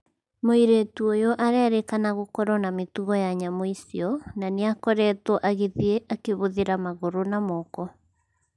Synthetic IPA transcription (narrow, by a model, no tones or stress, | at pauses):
moiɾetuojɔʔaɾɛɾekanaɣokɔɾɔnametuɣɔjaɲamoisiɔnaneakɔɾɛtwɔʔaɣeðieʔakeβoðeɾamaɣoɾonamɔkɔ